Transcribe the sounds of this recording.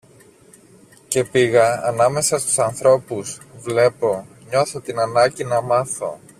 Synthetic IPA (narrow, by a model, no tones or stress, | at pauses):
ce̞piɣɐːnɐme̞sɐst̪u̥sɐnθɾo̞puz̥vle̞po̞ | ɲo̞θo̞t̪inɐnɐɟinɐmɐθo̞̰